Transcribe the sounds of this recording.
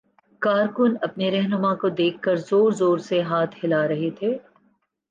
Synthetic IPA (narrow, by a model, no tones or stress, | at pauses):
kaːɾkʊnɐpneɾɛɦnʊmakod̪eːkʰːɐɾzoːɾzoːɾseɦaːt̪ʰhɪlaɾɐɦet̪ʰeː